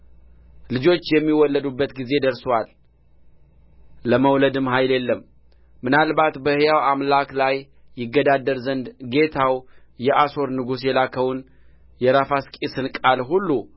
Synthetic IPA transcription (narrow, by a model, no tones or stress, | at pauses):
lɨd͡ʒo̞t͡ʃːjɛmːiwɔlːəd̪ubːət̪ɡize̞d̪əɾswal | əməwləd̪ɨmɦajljɛlːəmː | ɨnalbat̪bəhjawamlaklajː | ɪɡːəd̪ad̪əɾzənd̪ɡe̞t̪ʰaw | jɛʔaso̞ɾnɨɡus̬jɛlakʰəwun | jɛɾafaskʼisɨnkʼalɦulːu